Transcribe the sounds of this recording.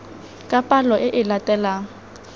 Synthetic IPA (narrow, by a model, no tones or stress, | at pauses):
kʼapʼalɔʔɪʔɪlatʼɛlaŋ̩